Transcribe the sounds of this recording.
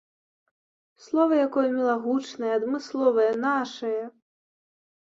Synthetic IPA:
slˠɔvɐjakɔjɐmʲɛlˠaɣut͡ʂnɐjɛːd̪mɨslˠɔvɐjɐnaʂɐjɐ

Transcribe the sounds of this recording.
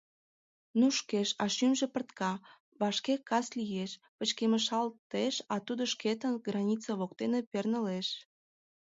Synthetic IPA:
nuʃkeʃɑʃymʒepərt̪kɑ | βɑʃkekɑslijeʃ | pət͡ɕkeməʃɑlt̪eʃɑt̪ud̪oʃket̪ənɡrɑnʲit͡səβok̚t̪enepernəleʃ

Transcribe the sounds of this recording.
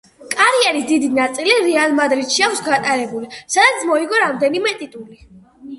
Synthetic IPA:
kʼaɾiɛɾisd̪id̪inat̪sʼiliɾɛalˠmad̪ɾit̪ʃiakʰsɡat̪ʼaɾɛbulisad̪at̪sʰmɔiɡɔɾamd̪ɛnimɛt̪ʼit̪ʼuli

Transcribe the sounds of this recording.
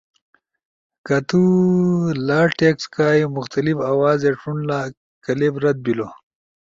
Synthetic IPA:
kɐt̪u | laːʈekskaːjimʊxt̪ɐlifawaːzeʈ͡ʂunla | kɐlebɾɐd̪̚bilo

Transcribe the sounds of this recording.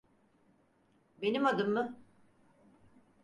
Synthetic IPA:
benimad̪ɯmːɯ

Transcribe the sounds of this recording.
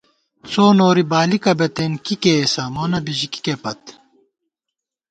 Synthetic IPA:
t͡soːnoːɾibaːlikɐbɐt̪enkikeːsɐmoːnɐbiʑiki̥kepɐt̪

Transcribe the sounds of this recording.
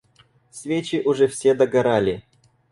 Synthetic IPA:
fsʲvʲet͡ɕɪʔʊʐɛfsʲed̪ɐɡɐɾalʲɪ

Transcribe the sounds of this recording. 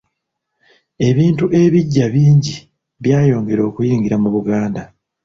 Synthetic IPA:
e̞βiːntuʔe̞βiɟːaβiːɲɟi | βjaːjo̞ːŋɡe̞ɾo̞ːkujiːŋɡiɾamuβuɡaːnda

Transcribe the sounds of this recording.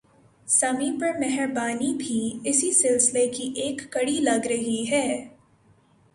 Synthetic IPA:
sɐmipɐɾmɛɦɛɾbaːnibʱiːɪsisɪlsɪlekiʔeːkːɐɽilɐɡɾɐɦiɦɛː

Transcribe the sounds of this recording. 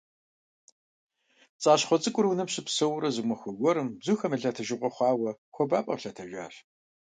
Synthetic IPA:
t͡sʼaːɕχʷɔt͡sʼɨkʷʼʊrwunɐpɕɪpsɐwɾɐzɨmʷɐxʷɔɡʷɔɾɨmbzuxɐmɨɮatʰɐʒɪqʷʼɔχʷɑːwɐxʷɔbaːpʼɐ̰ɬatʰɐʒʷa̰ːr

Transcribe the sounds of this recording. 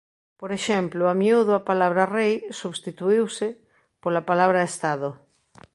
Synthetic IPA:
poɾeʃɛmplʊamjuðʊapalaβɾarejsuβst̪it̪uiwsɪ | polapalaβ̞ɾaest̪aðo

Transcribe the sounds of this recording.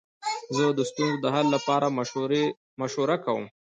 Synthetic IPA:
zəd̪əst̪unzod̪əɦalːapɑɾa | maʃoɾakawə̰m

